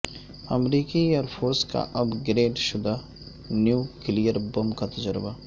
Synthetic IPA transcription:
ɐmɾiːkieːɾpʰoːɾska̰ʔɐbɡɾeːɖʃʊd̪a | njuːkɪlijəɾbɐmkat̪ɐd͡ʒəɾbaː

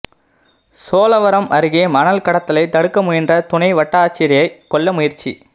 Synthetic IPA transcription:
soːlɐʋɐɾɐmɐɾɯɣɪjɐmɐnɐlkɐɽɐt̪ːɐlɐɪt̪ɐɽɯkːɐmʊjɪndrɐt̪ʊnɐɪʋɐʈːaːt͡ʃːɪɾɪjɐɪkːɔɭːɐmʊjɪɾt͡ʃḭ

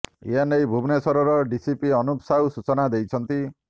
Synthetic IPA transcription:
ḭanejbʱubnesɔɾɔɾɔɖisipiɔnupsawsut͡ʃɔnad̪ejt͡ʃʰɔnt̪i

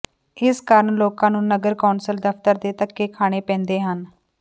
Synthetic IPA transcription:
ɪskəɾəɳloːkãːnũːnəɡəɾkaːnsəld̪əpt̪əɾd̪eːt̪əkːeːkʰaːɽ̃eːpɛ̃ːnd̪eːɦən

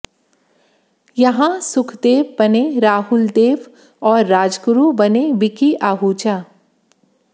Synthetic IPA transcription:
jɐɦãsʊkʰd̪eːʋbɐneɾaːɦʊld̪eːʋ | ɔːɾːaːd͡ʒkɾubɐnebɪkiʔaːɦut͡ʃa

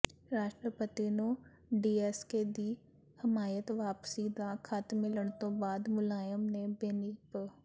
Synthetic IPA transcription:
ɾaːʃʈɾəpət̪ino | ɖiːeːsked̪i | hɪmaːjət̪ʋaːpsid̪akʰat̪mɪləɽ̃t̪obaːd̪mʊlaːjəmnebeːniːp

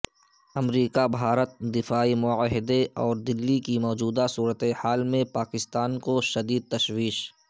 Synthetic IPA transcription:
ɐmɾiːkabʱaːɾət̪̚d̪ɪfaːimʊəɦɪd̪eɔːɾd̪ɪlːikimɔːd͡ʒuːd̪asuːɾət̪ehaːlmẽpaːkɪst̪aːnkoʃɐd̪iːd̪̚t̪ɐʃwiːʃ

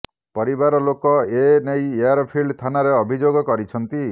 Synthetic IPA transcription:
pɔɾibaɾɔlokɔenejeaɾɔpʰilɖt̪ʰanaɾeɔbʱid͡ʒoɡɔkɔɾit͡ʃʰɔnt̪i

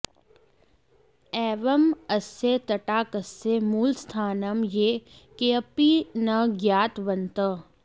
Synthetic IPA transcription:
ɛːʋɐmɐset̪ɐʈaːkɐsːemuːlst̪ʰaːnɐmjeːkeɐpinɐɡjaːt̪ʋɐnt̪ə

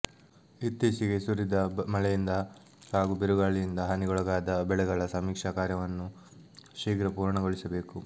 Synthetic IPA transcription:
it̪ːesiɡe̞suɾid̪ɐmɐɭɛjind̪ɐ | haːɡubeɾuɡaːɭijind̪ɐɦɐniɡɔɭɐɡaːd̪ɐbɛɭɛɡɐɭɐsɐmiːkʂaːkaːɾjɐʋɐnːu | ʃiːkɾɐpuːɾɐɳɐɡoɭisɐbe̞ːku

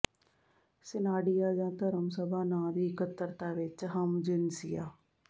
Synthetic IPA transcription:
sɪnaːɖijaːd͡ʒãːt̪əɾəmsəbaːnãːd̪iːkət̪ːəɾt̪aːʋɪt͡ʃɦəmd͡ʒɪnsɪjaː

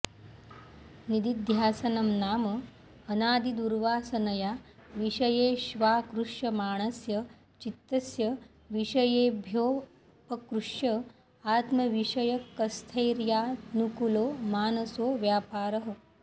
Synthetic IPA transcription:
nid̪id̪ʱjaːsɐnɐmnaːmɐː | naːd̪id̪uɾʋaːsɐnɐjaːʋiʃɐjeːʃʋaːkɾuʂjɐmaːɳ̃ɐsjɐ | t͡ʃit̪ːɐsjɐ | ʋiʂɐjeːbʱjoː | pɐkɾuʂjɐ | aːt̪mɐʋiʂɐjɐkɐst̪ʰɐjɾjaːnukuloːmaːnɐsoːʋjaːpaːɾɐɦɐ

